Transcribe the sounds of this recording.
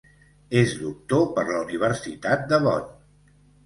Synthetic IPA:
ezd̪uk̚t̪opəɾləuniβ̞əɾsit̪at̪̚d̪əβɔ̰n

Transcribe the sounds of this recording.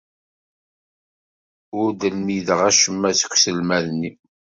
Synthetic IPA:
ʊɾd̪əlmiðəʁæʃəmːæsə̥kʷːsəlmæðnːi

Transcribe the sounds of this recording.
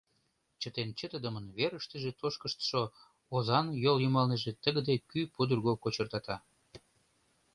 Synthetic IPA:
t͡ɕət̪ent͡ɕət̪əd̪əmənβeɾəʃt̪əʒet̪oʃkəʃt̪ə̥ʃo | ozɑnjoljymɑlneʒet̪əɣəd̪ekypud̪ərɣokot͡ɕərt̪ɑt̪ɑ

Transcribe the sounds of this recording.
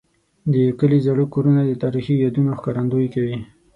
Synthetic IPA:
d̪əkəlizaɽukoɾunad̪ət̪ɑɾixijɑd̪unoxkɑɾand̪ojkawi

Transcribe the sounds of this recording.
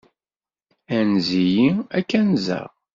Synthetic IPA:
ænzijiækːænzə̰ʁ

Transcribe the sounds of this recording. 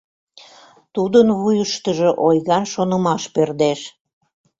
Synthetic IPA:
t̪ud̪ənβujəʃt̪əʒoʔojɣɑnʃonə̆mɑʃpørd̪eʃ

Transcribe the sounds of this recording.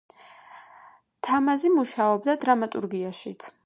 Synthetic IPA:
t̪ʰamazimuʃaɔbd̪ad̪ɾamat̪ʼṵɾɡiaʃit̪sʰ

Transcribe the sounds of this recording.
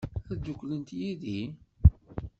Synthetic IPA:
æd͡ʒ̪ʊkːlənt̪jiði

